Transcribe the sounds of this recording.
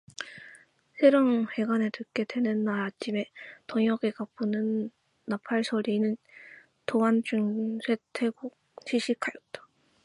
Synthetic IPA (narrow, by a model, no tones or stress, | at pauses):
sʰe̞ɾoŋhe̞ɡanetʰɯk͈e̞dwe̞nɯnːaɾat͡ɕ͈ʰime̞tʌŋjʌɡekap͈ɯnɯnː | apʰaɭsʰʌɾinɯn | toant͡ɕuŋsʰe̞tʰe̞ɡuk̚t͡ɕʰiɕʰikʰajot͈ḁ